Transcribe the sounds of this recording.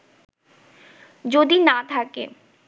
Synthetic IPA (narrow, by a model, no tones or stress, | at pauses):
d͡ʑod̪inat̪ʰakḛ